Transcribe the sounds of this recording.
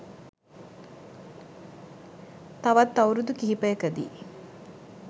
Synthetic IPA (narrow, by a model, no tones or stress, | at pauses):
t̪ɐʋɐt̪ːɐwɾud̪ukiɦipɐjɐkəd̪ḭː